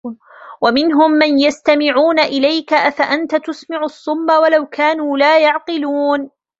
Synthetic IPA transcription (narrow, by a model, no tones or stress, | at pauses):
wamɪnɦʊmːanjast̪amɪʕuːnaʔɪlajkaʔafaʔant̪at̪ʊsmɪʕʊsˤːʊmːawalawkʰaːnuːlaːjɑʕqɨluːn